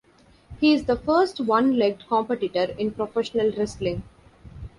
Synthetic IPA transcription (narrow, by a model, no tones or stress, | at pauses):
hiːɪzd̪əfəːɾsʈʋʌ̃nlɛɡ̚ɖkɔ̃mpəʈɪʈəɾɪ̃npɾofɛʃənəlɾɛslɪ̃ŋ